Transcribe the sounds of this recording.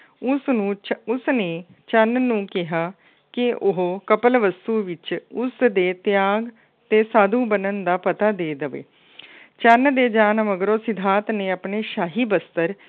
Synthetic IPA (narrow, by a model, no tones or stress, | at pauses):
ʊsnũːʊsneː | t͡ʃənnũːkɪɦaː | kɪʊɦokəpəlʋəst̪uːʋɪt͡ʃʊsd̪eːt̪ɪjaːɡ | t̪eːsaːd̪uːbənənd̪aːpət̪aːd̪eːd̪əʋḛː | t͡ʃənd̪eːd͡ʒaːnməɡɾoːsɪd̪ʱaːt̪neːəpneːʃaːɦiːbəst̪əɾ